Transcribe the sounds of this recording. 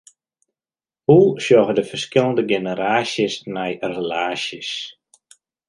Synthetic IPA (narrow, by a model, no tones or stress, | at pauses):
husjɔɣədəfərskɪlˠə̃ndəɡenəɾaːsjəsnɛjrelaːsjəs